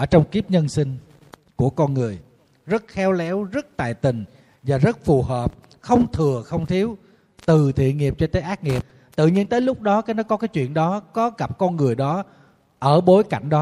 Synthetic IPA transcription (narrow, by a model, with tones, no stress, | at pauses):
əː˧˩t͡ɕɔ˧wŋ͡mki˦˥əp̚ɲə˧nsï˧ŋ̟ | ku˧˩əkɔ˧nŋɨ˨˩əj | zə˦˥t̚xɛ˨˦wlɛ˨˦wzə˦˥t̚t̪a̰ː˧˨jt̪ï˨˩ŋ̟ | vaː˨˩zə˦˥t̚fu˨˩həː˨˩p̚ | xə˧wŋ͡mt̪ʰɨ˨˩əxə˧wŋ͡mt̪ʰi˨˦w | t̪ɨ˨˩t̪ʰḭ˧˨əŋi˨˩əp̚t͡ɕɔ˧t̪əː˨˦ʔaː˦˥k̚ŋi˨˩əp̚ | t̪ɨ̰˧˨ɲi˧nt̪əː˨˦jlʊ˦˥k͡p̚ɗɔ˨˦kaː˨˦nɔ˨˦jkɔ˨˦kaː˨˦jt͡ɕwḭ˧˨ənɗɔ˨˦kɔ˨˦ɣa˨˩p̚kɔ˧nŋɨ˨˩əjɗɔ˨˦ | ʔəː˧˩ɓo˨˦jka˧˩jŋ̟ɗɔ˨˦